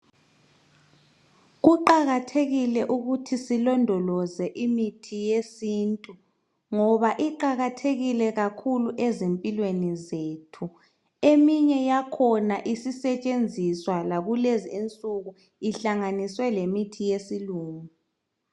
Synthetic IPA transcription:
ɣuǃaɣatʰeɣilɛʔuɣutʰisilɔndʱɔlɔzɛʔimitʰijesiːntʼu | ŋɔβaʔiǃaɣatʰeɣilɛɣakʰuluʔɛzempʼilwenizeːtʰu | emiɲɛjakʰɔnaʔisisɛt͡ʃʼend͡zʱiswalaɣulezient͡sʼuɣu | iɬaŋaniswɛlemitʰijesiluːmu

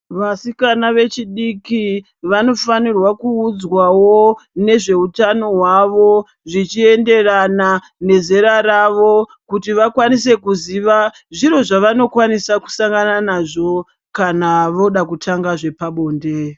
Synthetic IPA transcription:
ʋasikanaʋe̞t͡ʃiɗiki | ʋano̞fanirwakuːd͡zwawone̞ʐe̞utano̞ɦwaʋo̞ | ʐit͡ʃie̞nde̞rana | ne̞ze̞ɾaɾaʋo̞ | kutiʋakwanis̬e̞kuziʋa | ʐiɾo̞ʐaʋano̞kwanisaku̥saŋɡananaʐo̞ | kanaʋo̞ɗakutʰaŋɡaʐe̞paɓo̞ːnde

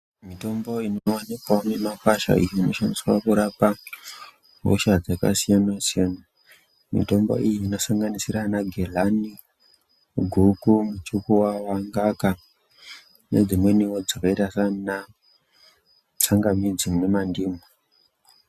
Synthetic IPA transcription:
mito̞mbo̞inowanikwane̞makaʃa̰ḭjiino̞ʃaniswakuɾapa | ɦo̰ʃad͡zaka̰sijanasijana | mḭto̞mbo̞̰ijiːno̞saŋɡanisiɾanaɡʱelani | ɡʱukumut͡ʃukuwawaŋɡaka | ne̞̰d͡zimwe̞niwod͡zakaitasana | t͡saŋɡamid͡zimune̞mandiːmu

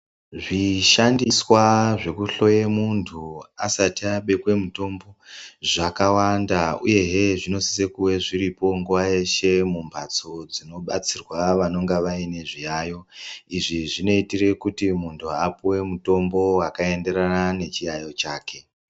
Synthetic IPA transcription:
ʐiʃandiswaʐe̞kuɬo̞jemuntʰuasatiaɓe̞kwe̞muto̞mbo̞ʐakawandaṵje̞ɦeʐino̞si̥sekuwe̞ʐiripo̞ŋɡuwaje̞ʃe̞mumbʱat͡so̞d͡zino̞ɓat͡sirwaʋano̞ŋɡaʋaine̞ʐijaːjo̞iʐiʐino̞itire̞kutimuntʰuapuwe̞muto̞mbo̞wakae̞nde̞ɾanane̞t͡ʃijajo̞t͡ʃaːke̞

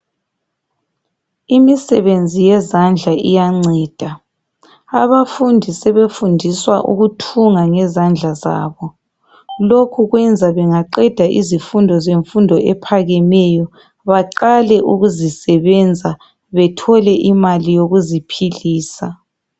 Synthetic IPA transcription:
imisɛβend͡zʱijɛzand͡ɮʱaijaŋ͡ǀɛːd̥ʱa | aβafundʱisɛβefundʱiswaʔṵɣutʰuŋaŋɛzand͡ɮʱaza̰ːβɔ | lokʰuɣwɛnd͡zʱaβɛŋaǃɛd̥ʱaʔḭzifundʱɔzeɱfundʱɔʔɛpʰaɣɛmɛjɔ | βaǃalɛʔuɣuzisɛβɛnd͡zʱa | βɛtʰɔlɛʔimalijoɣuzipʰiliːsa

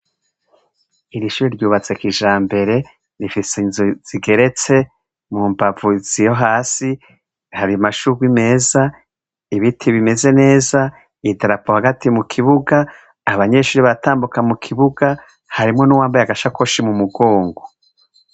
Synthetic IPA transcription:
iɾiʃuːɾiɾɟuːβat͡se̞kiʒaːmbe̞ɾe̞ | nifisenzuz̥iɡe̞ɾe̞t͡se̞ | muːmbavuz̥ijo̞ɦaːsi | haɾimaʃuɾɡwime̞ːza | iβitʰiβime̞ze̞ne̞ːza | idaɾapohaɡatimukʰiβuɡaː | βaɲe̞ʃuːɾiβaataːmbukamukʰiβuɡa | haɾimŋo̞nuwaːmbajaɡaʃakoʃimumuɡoːŋɡo

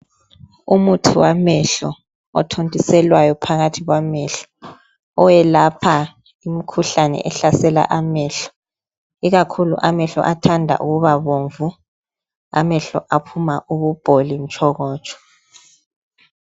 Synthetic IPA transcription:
umutʰuwamɛɬɔ | ɔ̰tʰontʼisɛlwajɔpʰaɣatʰiɣwamɛɬɔ̥ | ɔwɛlapʰa | imikʰuɬanɛ̰ʔɛɬasɛla̰ʔamɛɬɔ̥ | iɣakʰulṵʔamɛɬɔ̰ʔatʰandʱa̰ʔuɣuβaβoɱvu | a̰mɛɬɔʔapʰumaʔuβub̥ʱolin̩t͡ʃʼɔɣɔːt͡ʃʼɔ̥

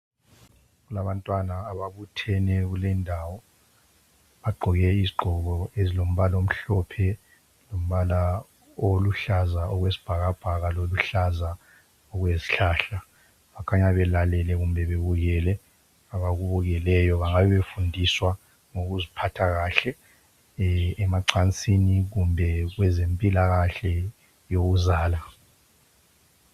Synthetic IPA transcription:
ɣulaβantʼwanaːβaβutʰɛnɛɣulɛndʱawɔ | βaɡ͡ǃʱɔɣɛiziɡ͡ǃʱɔɣɔezilom̩βalom̩ɬɔpʰɛ | lom̩βala | oluɬazaɔɣwesi̥b̥ʱaɣab̥ʱaɣaloluɬaza | ɔɣwezi̥ɬaɬa | βakʰaɲaβɛlalɛlɛɣumbɛβeβuɣɛlɛ | aβaɣuβuɣɛlɛjɔβaŋaβɛβefundʱiswa | ŋoɣuzipʰatʰaɣaːɬɛ | maǀʰant͡sʼiniɣumbʱɛɣwɛzempʼilaɣaɬɛ | joɣuzaːla

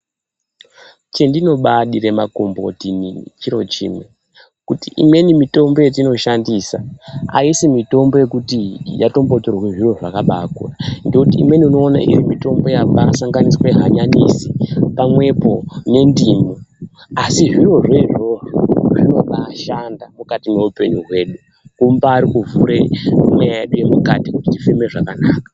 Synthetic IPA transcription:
t͡ʃe̞ndino̞ɓaɗiɾe̞mako̞mbo̞tinḭt͡ʃiɾo̞t͡ʃḭːmwe̞ | kutiʔimwe̞nimito̞mbo̞jet̬ino̞ʃandiːsaa̰isimito̞mbo̞je̞kutijato̞mbo̞torakeʐiro̞ʐakaɓakwandokutḭːmwe̞niuno̞ːna̰ʔḭrimito̞mbo̞jaɓasaŋɡaniswe̞ɦaɲanisipamwe̞po̞ne̞ndiːmoasiʐiro̞ʐeʐo̞ʐino̞ɓaʃandamukatime̞upe̞ɲuɦwe̞ːɗu | kumbaːɾikuvuɾemwejajeɗuje̞mukatikutitifimeʐakanaːkḁ

